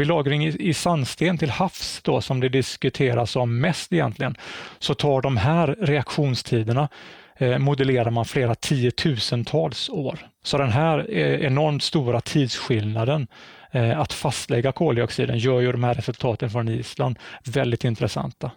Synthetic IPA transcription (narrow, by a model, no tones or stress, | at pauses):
vɪlɑːɡɾɪŋɪsanːst̪eːnt̪ʰɪlhafsd̪ɔsɔmd̪ɛd̪ɪskɵt̪ʰeːɾasɔmːɛst̪ɪjɛ̰nt̪lɪɡənsɔt̪ʰɑːɖɔmɦæːɾɾɛakɧuːnst̪ʰiːd̪əɳa | mʊd̪əleːɾaɾmanfleːɾat̪ʰiːət̪ʰʉ̟ːsənt̪ʰɑːlsoːɾsɔd̪ɛnɦæːɾɛɛnɔɾmt̪st̪uːɾat̪ʰiːd̪sɧɪlnad̪ən | at̪fast̪lɛɡːakʰoːljɔksḭːd̪ə̰njœːɾjɵd̪ɔmhæːɾɛsɵlt̪ʰɑːt̪ənfɾɔniːsla̰nd̪vɛld̪ɪt̪ɪnt̪ɾɛsa̰nt̪a